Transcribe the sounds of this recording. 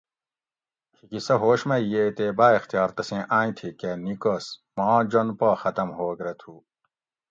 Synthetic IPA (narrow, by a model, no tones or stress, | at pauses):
hikisɐɦoːɕmɐjeːt̪eːbaːext̪ijɑːɾt̪ɐsẽːʔaːĩt̪ʰikenikosmɑ̃ːd͡ʑonpaːxɐt̪ɐmhoːɡɾet̪ʰuː